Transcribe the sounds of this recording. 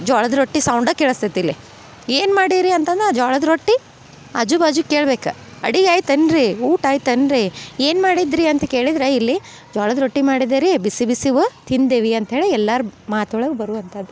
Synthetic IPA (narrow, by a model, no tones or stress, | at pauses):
d͡ʒɔːɭɐd̪ɾoʈːisɐwɳɖɐkɛɭɐst̪ɐt̪ːilːi | eːnmaːɽiɾiɐnt̪ɐnd̪ɾed͡ʒɔːɭɐd̪ɾoʈːi | ɐ̰d͡ʒubaːd͡ʒukːeːɭbeːkɐ | ɐ̰ɽiɡaːjt̪ɐnɾiuːʈaːjt̪ɐnɾieːnmaːɽid̪ɾiɐnt̪ɐkeːɭid̪ɾeilːi | d͡ʒɔːɭɐd̪ɾoʈːimaːɽid̪eɾibisibisiʋɐt̪ind̪eʋiɐnt̪ɐɦe̞ːɭiɛlːɐɾumaːt̪ɐɭɐɡubɐɾuʋɐnt̪ʰɐd̪ːu